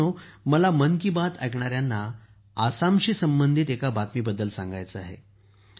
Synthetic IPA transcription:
oməlamənk̬ibat̪ʰa̰jkɳaɾjanːaː | samɕiːsəmbənd̪ʱit̪ekabat̪miːbəd̪ːəlsã̰ŋɡa̰jt͡səa̰ɦḛ

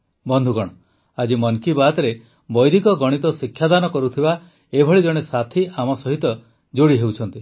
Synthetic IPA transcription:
bɔnd̪ʱuɡɔɽ̃ɔ | ad͡ʒimɔnkibat̪ɔɾe | bɔjd̪ʱikɔɡɔɽ̃it̪ɔsikʰːjad̪anɔkɔɾut̪ʰiba | ebʱɔɭid͡ʒɔɽ̃esat̪ʰiʔamɔsɔɦit̪ɔ | d͡ʒoɽiɦewt͡ʃʰɔnt̪i

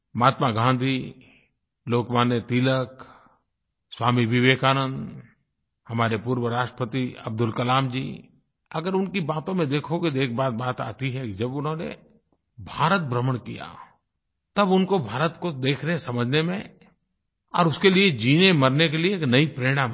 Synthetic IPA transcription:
maːt̪maɡʱãːnd̪ʱi | loːkmaːnet̪iːlək | swaːmiʋɪʋeːkaːnə̃nd̪ | hɐmaːɾepuːɾwəɾaːʃʈəpət̪iɐ̰b̚d̪ʊlkɐlaːmd͡ʒḭː | ɐɡəɾʊnkibaːt̪õmẽd̪eːkʰoɡid̪eːk̚baːt̪̚baːt̪a̰ːt̪iɦɛkid͡ʒɐbʊnɦõːnḛ | bʱaːɾət̪̚bɾəməɽ̃kḭja̰ | t̪ɐbʊnkobʱaːɾət̪kod̪eːkʰneɦsɐməd͡ʒʱnemẽ | ɔ̰ːɾʊskelied͡ʒiːnemɐɾnek̬elieːknɐipɾeːɽ̃a

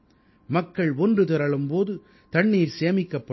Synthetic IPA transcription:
mɐkːɐɭɔndrɯt̪ɪɾɐɭɯmpoːðɯ | t̪ɐɳːiːɾseːɐmɪkːɐpːɐ

